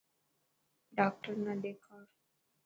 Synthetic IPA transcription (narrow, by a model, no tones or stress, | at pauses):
ɖak̚ʈəɾnaɖekʰaɾ